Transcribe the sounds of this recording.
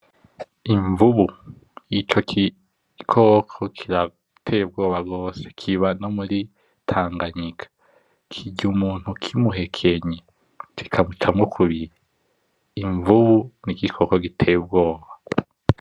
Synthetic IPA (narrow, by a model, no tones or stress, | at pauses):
iɱvuβu | jit͡ʃo̞ki | kʰokʰokʰiɾa | tʰeb̚ɡo̞ːβaɡo̞ːse̥kʰiβano̞muɾi | tʰaːŋɡaɲikʰḁ | kʰiɟumuːn̥hukʰimuɦe̞kʰe̞ɲe | ki̥kʰamut͡ʃamŋokʰuβiɾi | iɱvuβunikikʰo̞koɡitʰeb̚ɡo̞ːβa